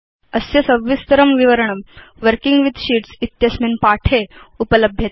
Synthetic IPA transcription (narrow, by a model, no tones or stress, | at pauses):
əsjɐsəʋːʋist̪əɾəmʋiʋəɾəɳ̃əmʋəɾkiŋɡʋid̪ɕiːʈsit̪jɐsminpaʈʰeupələbʱjet̪